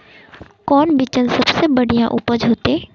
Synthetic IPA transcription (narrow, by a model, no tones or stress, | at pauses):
kɔːnbit͡ʃənsəbsebəɽ̤ijãʔupəd͡ʒɦoːt̪ẽ